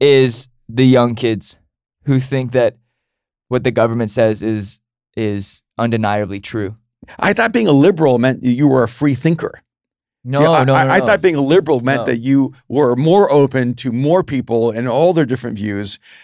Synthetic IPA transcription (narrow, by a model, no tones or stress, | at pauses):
ɪz | ðɨjʌ̃ŋkʰɪdz̥ | hʉθɪ̃ŋk̚ðɨt̚ | wʌt̪̚ðɨɡʌvə˞mɨ̃ntsɛzɪz | ʔɪzʔʌ̃ndɨnaɪɨblitʰɹ̥ʉ | ʔa̰ɪθɑt̚b̥iɪ̃ŋəlɪbə˞l̩ˠmɛ̃njɨwə˞ɨfɹiθɪ̃ŋkʰə̰˞ | noanoaɪaɪθɔt̚b̥iɪ̃ŋəlɪbə˞l̩ˠmɛ̃nðɨ̰t͡ʃɨwə˞mɔɹʔoʊpɨ̃ntʰɨmɔɹpʰipl̩ˠɪ̃nɔlˠðə˞dɪfɹɨ̃ntvjʉz̥